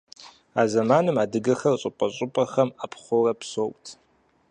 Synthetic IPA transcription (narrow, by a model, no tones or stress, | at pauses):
aːzɐmaːnɨmaːdɨɡɐxɐrɕʼʊpʼɐɕʼʊpʼɐxɐmaːpʰχʷʊrɐpsokʼtʰ